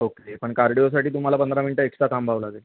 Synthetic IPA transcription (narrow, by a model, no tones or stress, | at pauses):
okepəɳkaɾɖijos̬aʈiːt̪um̤alapənd̪ɾaminiʈəeksasambʱaʋlaɡel